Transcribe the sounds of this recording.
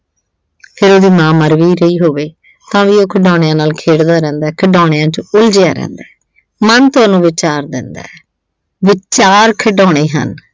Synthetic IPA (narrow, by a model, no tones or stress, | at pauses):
pʰɪɾoːd̪iːmãːməɾʋiːɾəiːɦoːʋeː | t̪ãːʋiːoːkʰəɖãːɽ̃ejãːnaːlkʰeːɽd̪aːɾɛ̃ːnd̪aːkʰəɖaːɽ̃ejãːt͡ʃʊld͡ʒɪja̰ːɾɛ̰̃ːnd̪aːɛ | mənt̪ʊaːnũːʋɪt͡ʃaːɾd̪ɪ̰nd̪a̰ː | ʋɪt͡ʃaːɾkʰəɖɔːɽ̃eːɦə̰n